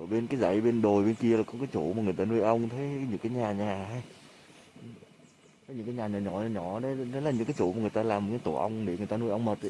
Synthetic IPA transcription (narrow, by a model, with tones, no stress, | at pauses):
ʔə˧˩ɓe˧nkaː˨˦jza̰˧˩˨jɓe˧nɗo˨˩jɓe˧nki˧əlaː˨˩kɔ˨˦kaː˨˦jt͡ɕṵ˧˩˨maː˨˩ŋɨ˨˩əjt̪aː˧nu˧əjʔə˧wŋ͡mt̪ʰə˨˦jɲɨ̰˧˥ŋkaː˨˦ɲaː˨˩ɲaː˨˩haː˧j | ə˨˦ɲɨ˧˥ŋkaː˨˦jɲaː˨˩ɲaː˨˩ɲɔ˧˩˨ɲɔ̰˧˩ɗe˨˦ɗɔ˨˦la˨˩ɲɨ̰˧˥ŋkaː˨˦jt͡ɕṵ˧˩˨ma˨˩ŋɨ˨˩ə˩jt̪aː˧laː˨˩mo˨˩kaː˨˦jt̪u˧˩ʔə˧wŋ͡mɗe˧˩ŋɨ˨əjt̪aː˧nu˧əjʔə˧wŋ͡mməː˨˩t̚